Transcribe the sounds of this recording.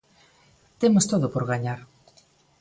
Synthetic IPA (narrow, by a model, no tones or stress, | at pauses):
t̪emost̪oðopoɾɣaɲaɾ